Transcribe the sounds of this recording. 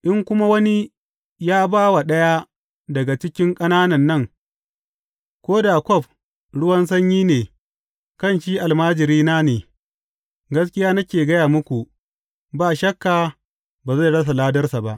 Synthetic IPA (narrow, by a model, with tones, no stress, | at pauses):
ʔɪ˦ŋkʷʊ˦ma˦wɐ˦ni˦ | jaː˦baː˦wa˨ɗɐ˦ja˦ | dɐ˨ɡa˨t͡ʃɪ˦kʲɪ˦ŋkʼɐ˦naː˦nɐ˨nːɐ˦˨ŋ | kʷoː˦da˨kʷɔ˦˨b̚ | ɽʊ˦wɐ˦ns̬ɐ˦ɲjiː˦neː˨ | kɐ˦˨nʃiː˦ʔa˨lmaː˦d͡ʒɪ˨ɾiː˦naː˦neː˨ | ɡɐ˦s̬kʲɪ˦jaː˦nɐ˦kʲeː˨ɡɐ˦jaː˨mʊ˦kʷu˨ʔ | baː˦˨ʃɐ˦kːaː˨ | baː˨za˦˨ɽɐ˦s̬a˨laː˦dɐ˦rsa˨ba˦ʔ